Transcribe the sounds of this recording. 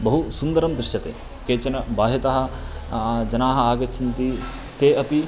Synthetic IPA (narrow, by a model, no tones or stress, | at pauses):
bɐɦusund̪ɐɾɐmd̪ɾɪʃjɐt̪ḛː | keːt͡ʃɐnɐbaːɦɐt̪ɐɦɐ̆ | d͡ʒɐnaːɦɐ̆aːɡɐt͡ʃʰɐnt̪i | t̪eːɐpi